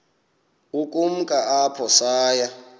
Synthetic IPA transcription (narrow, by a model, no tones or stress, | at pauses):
ukʼum̩kʼaapʰɔsaːja